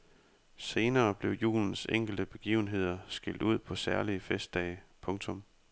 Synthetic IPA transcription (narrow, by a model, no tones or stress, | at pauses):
se̝ːnɐːb̥le̝ʊjṵːln̩seŋ̰ɡ̥l̩d̥əb̥e̝ɡ̥ḭːʊn̩ɦe̝ð̞̰ˠɐsɡ̥el̰d̥uð̞̰ˠpʰɒ̽sæɐliəfesd̥ɛɪpʰɔ̽ŋt͡sʰɔ̽m